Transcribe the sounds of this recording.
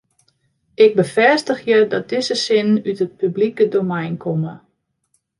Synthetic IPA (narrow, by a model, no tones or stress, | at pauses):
ʔɪɡ̚bəfɛstəxjədɔt̚d̥ɪsəsɪnytət̚pyblikədomɛjnkʰomə